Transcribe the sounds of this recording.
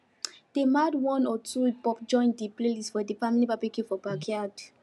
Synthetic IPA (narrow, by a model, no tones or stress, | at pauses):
d̥emadwɔ̃nɔtʰupɔpd͡ʒɔ̃ɪ̃ndipleliswɛdifamilibapekĩfɔbakʰiad